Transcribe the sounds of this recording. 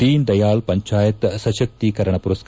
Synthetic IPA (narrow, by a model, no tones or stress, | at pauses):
iːnd̪ɐjaːlpɐɲt͡ʃaːjɐt̪sɐʃɐk̚t̪ikɐɾɐɳɐpuɾɐsk